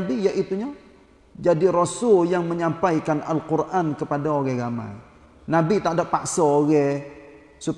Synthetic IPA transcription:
bijaʔit̪uɲa | d͡ʒadiɾosʊljaŋməɲampaikanalqurʔankəpadaoɣɛɡama̰i | nabit̪adapaksɔoɣɛ | sut

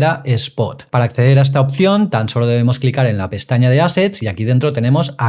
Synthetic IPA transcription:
ɾaʔespot̪paɾaːkθe̞ð̞e̞ɾaest̪aop̚θjo̞nt̪anso̞loð̞e̞β̞e̞mo̞sklikaɾe̞nlape̞st̪aɲað̞ease̞t̪siakiðent̪ɾot̪e̞nẽ̞mo̞sa

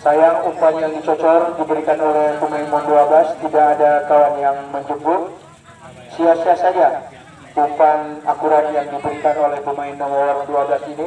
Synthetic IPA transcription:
sajaupanjaŋdit͡ʃɔt͡ʃɔrdibəɾikanolɛhpəmaɪnmɔnduabast̪idaːdakawanjaŋməɲd͡ʒubʊt̚ | siasiasaja | upanakuɾanjaŋdibəɾikanolɛhpəmaɪnːɔmɔwasduablasini

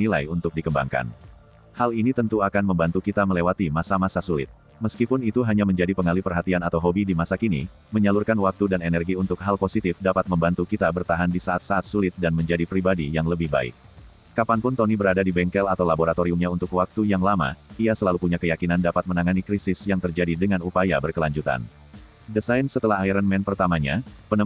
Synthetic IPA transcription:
ilajunt̪ʊk̚dikəmba̰ŋka̰n | halinit̪ənt̪uakanməmbant̪ukit̪aməlewat̪imasamasasulɪ̰t̪̚ | məskipʊnit̪uɦaɲaməɲd͡ʒadipəŋalipərɦat̪ianat̪awɦobidimasakinḭ | məɲalurkanwak̚t̪udanɛnɛrɡiunt̪ʊkɦalposit̪ɪfdapat̪̚məmbant̪ukit̪abərt̪aɦandisaʔat̪̚saat̪̚sulɪt̪̚danməɲd͡ʒadipɾibadijaŋləbɪhba̰ɪ̰k̚ː | apanpʊnt̪onibəɾadadibɛŋkɛlat̪awlaboɾat̪oɾiumɲaunt̪ʊkwak̚t̪ujaŋlama̰iasəlalupuɲakəjakinandapat̪̚mənaŋanikɾisɪsjaŋt̪ərd͡ʒadidəŋanupajabərkəlaɲd͡ʒut̪a̰n | dəsajnsət̪əlaɦaiɾanmɛnpərt̪amaɲa̰pənə

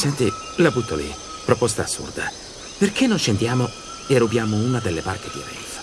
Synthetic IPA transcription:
sɛnt̪i | labut̪ːolḭ | pɾopost̪aːsːṵrd̪a | perkenːonʃend̪jaːmo | erubjaːmouːnad̪elːebarked̪ia̰ɾɛ̰t̪ḁ

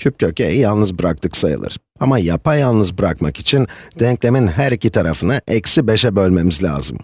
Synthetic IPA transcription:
cʰyp̚cʰø̞cʰejijalˠnɯzbɯɾak̚t̪ʰɯksajɯ̰lˠɯ̰ɾ̥ | amajapʰajalˠnɯzbɯɾakmakit͡ʃʰind̪̥ɛɲclʲe̞minɦæɾicʰit̪ʰaɾafɯnaʔɛcsibe̞ʃɛbø̞lʲme̞mizlʲa̰ːzɯ̰m

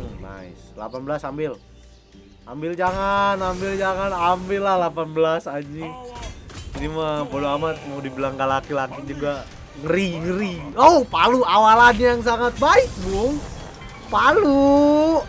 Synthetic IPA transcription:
na̰ḭsla̰panbəlasambɪl | ambɪld͡ʒaŋanambɪld͡ʒaŋanambɪlːahlapanbəlasad͡ʒi | t̪ɾimabodoamat̪̚mawdibəlaŋɡalakilakid͡ʒuɡa | ŋəɾiŋəɾiopaluawalanijaŋs̬aŋat̪̚baɪk̚buŋ | palu

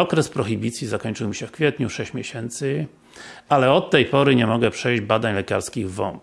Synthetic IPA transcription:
ɔkɾɛspɾɔxibʲit̪sʲjizakɔɲt͡ʂɘwmʲiɕɛfkfʲjɛt̪ɲuʂɛɕt͡ɕmʲjeɕɛnt̪sɘ | alɛɔt̪ːɛjpɔɾɘɲɛmɔɡɛpʂɛjʑd͡ʑbad̪aɲlɛkaɾskʲiɣvɔ̰np

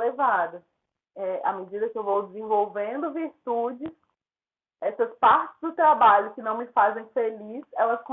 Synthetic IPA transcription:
levad̪ɐ | ɛʔa̰med͡ʒid̪ɐkɪewvowd͡ʒɪzẽvowvẽnd̪ʊviɾt̪ud͡ʒɪs | ɛsɐspaɾt͡ʃɪ̥zd̪ʊt̪ɾabaʎʊkɪnɐ̃w̃mɪfazẽj̃felisɛlɐskõ

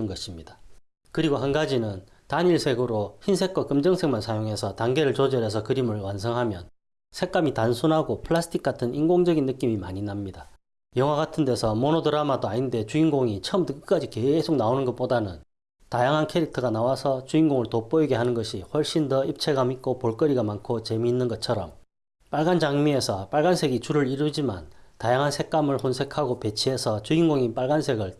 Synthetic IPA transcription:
ɯnɡʌɕʰimɲida | kɯɾiɡoɦanɡad͡ʑinɯn | taɲiɭsʰe̞ɡuɾoçins̬ʰe̞k͈ʰʌk͈ɯmd͡ʑʌŋsʰe̞ŋmansʰajoŋɦe̞sʰʌtaŋɡe̞ɾɯɭt͡ɕod͡ʑʌɾe̞s̬ʰʌkɯɾimɯɭwans̬ʰʌŋɦamjʌn | sʰe̞k͈amitansʰunɦaɡopʰɯɭasʰɯ̥tʰik͈̚atʰɯninɡoŋd͡ʑʌɡinːɯk͈imimaɲinamɲida | jʌŋwaɡatʰɯnde̞sʰʌmonodɯɾamadoainde̞t͡ɕuinɡoŋit͡ɕʰʌʌmtɯkk͈ad͡ʑike̞sʰok̚naonɯnɡʌt̚p͈odanɯn | tajaŋɦankʰe̞ɾik̚tʰʌɡanawasʰʌt͡ɕuinɡoŋɯɭtop͈ʌiɡe̞ɦanɯnɡʌɕʰiɸwʌɭɕ͈imndʌip̚t͡ɕʰe̞ɡamik͈opoɭk͈ʌɾiɡamankʰot͡ɕe̞miːnːɯnɡʌt͡ɕʰʌɾʌm | p͈aɭɡand͡ʑaŋmie̞sʰʌp͈aɭɡansʰe̞ɡit͡ɕuɾɯɾiɾud͡ʑima̰ntajaŋɦansʰe̞k͈̚amɯɭhonsʰe̞kʰaɡope̞t͡ɕʰiɦe̞sʰʌt͡ɕuinɡoŋip͈aɭɡansʰe̞ɡɯɭ

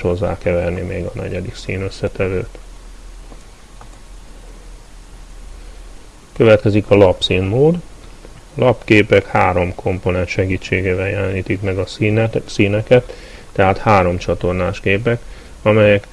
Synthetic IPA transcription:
ho̞zːa̰ːkɛvɛrnimḛːɡɒnɛ̰ɟɛd̪iksiːnøsːɛt̪ɛvøːt̪ | køvɛt̪kɛzikɒlɒpsiːnmoːd̪ | ɒlɒpkeːpɛkhaːɾo̞mkʰo̞mpo̞nɛnʃɛɡiːt͡ʃːeːɡeːvɛljɛlɛniːt̪ikmɛɡɒsiːnɛkɛt̪ː | ɛɦaːt̪haːɾo̞mt͡ʃɒt̪o̞rnaːʃkeːpɛk | ɒmɛjɛk

